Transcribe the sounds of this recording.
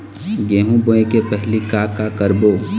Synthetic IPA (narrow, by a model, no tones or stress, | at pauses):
ɡeːɦũboẽkepɛɦlikaːkakəɾboː